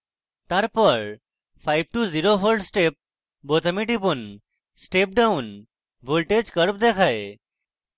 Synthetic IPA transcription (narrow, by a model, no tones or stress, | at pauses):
t̪aɾpəɭ | fajʋʈuziɾofolɖsʈep̚ | bot̪əmiʈipun | sʈep̚ɖaun | bolʈed͡ʑkəɾp̚d̪ekʰaj